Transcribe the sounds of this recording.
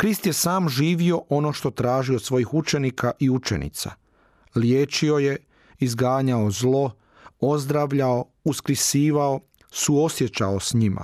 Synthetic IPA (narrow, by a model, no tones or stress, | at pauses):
kɾist̪je̞saːmʒiːʋio̞ʔo̞no̞ʃt̪o̞t̪ɾaːʒio̞d̪sʋo̞jixut͡ʃe̞nikʰaʔiut͡ʃḛnḭt̪sa̰ | ljeːt͡ʃio̞je̞ | izɡaːɲaozlˠo̞ | o̞zd̪ɾaʋʎao | uskɾisiːʋao̞ | suo̞sjet͡ʃaosɲimʔa̰